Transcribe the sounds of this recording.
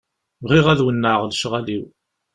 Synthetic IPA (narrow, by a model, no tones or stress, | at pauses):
vʁiʁæðwənːəʁlʃʁæliw